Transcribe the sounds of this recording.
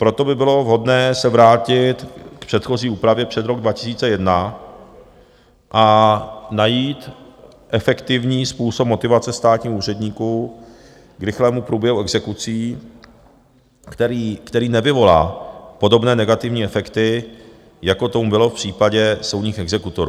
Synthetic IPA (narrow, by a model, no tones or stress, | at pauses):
pɾo̞t̪o̞bɪbɪlo̞vɦo̞dnɛːsɛvɾaːcɪt̪kpr̥ɛt̪xo̞ziːuːpɾavjɛpr̝̥ɛd̪ɾoɡ̚dvacɪ̥siːt͡sɛjɛdna | ʔanajiːt̪ | ʔɛfɛkt̪ɪvɲiːspuːsop̚mo̞t̪ɪvat͡sɛst̪aːt̪ɲiːhuːrɛdɲiːku | kɾɪxlɛːmupɾuːbjɛɦuɛɡzɛkut͡siː | kt̪ɛɾiːkt̪ɛɾiːnɛvɪvo̞la̰ːpo̞do̞bnɛːnɛɡat̪ɪvɲiːɛfɛkt̪ɪ | jako̞t̪omubɪlo̞fpr̝̥iːpaɟɛso̞wdɲiːxɛɡzɛkut̪oɾuː